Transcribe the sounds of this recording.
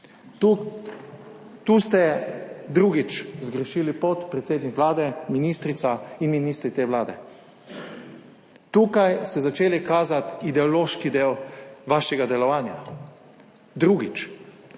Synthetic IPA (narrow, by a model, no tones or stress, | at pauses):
t̪ust̪ɛd̪ɾuɡit͡ʃzɡɾəʃiːlipot̪pɾɛt̪seːd̪nikʋlaːd̪ɛminist̪ɾit̪sainminiːst̪ɾit̪eʋlaːd̪ɛ̰ | t̪ukajst̪ɛzat͡ʃeːlikaːzat̪id̪ɛɔloːʃkid̪eːwʋaːʃɛɡad̪ɛlɔʋaːnja̰ | d̪ɾuɡit͡ʃ